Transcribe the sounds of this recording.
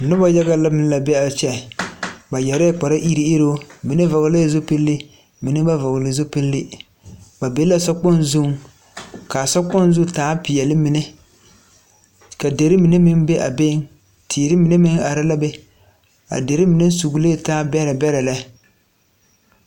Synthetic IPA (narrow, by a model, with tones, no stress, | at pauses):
nʊ˦ba˦ja˦ɡa˦la˦mɪ˦n˦la˨bɛ˦a˨t͡ʃɛ˦˨ba˨jɛ˨ɾɛ˦k͡pa˨ɾa˦ʔi˦ɾi˦e˦ɾo˦mi˨ne˦vɔ˨ɣle˦zo˦pi˦lːɪ˦ | mi˨nɪ˦ba˦vɔ˨ɣlɪ˨zo˦pi˦lːɪ˦ | ba˨be˦la˦sɔ˦k͡pɔ˦nzu˦˨ŋ | ka˨sɔ˦k͡pɔ˦n˦zʊ˦taː˨˦pɪ˨jɛ˨lɪ˦mi˨ne˦ | ka˨de˨ɾɪ˦mi˨ne˦mɪ˦nbe˦ʔa˨be˦ŋ | tʰiː˨ɾɪ˦mi˨ne˦mɪ˦ŋa˨ɾa˦la˦bɛ˦ | a̰˨de˨ɾɪ˦mɪ˨ne˦su˨ɡle˦˨taː˦bɛ˦ɾa˨bɛ˦ɾa˨la˦